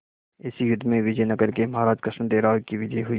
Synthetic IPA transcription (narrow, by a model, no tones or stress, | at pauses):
ɪsijʊd̪ːmẽʋɪd͡ʒəjnɐɡɐɾkemɐɦaːɾaːd͡ʒkɾəʃmd̪eːɾaːokiʋɪd͡ʒəjɦʊiː